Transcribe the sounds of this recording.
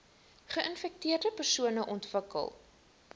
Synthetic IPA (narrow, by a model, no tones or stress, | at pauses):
χəʔənfɛk̚tiərdəpərsuənəʔɔntvəkə̰lˠ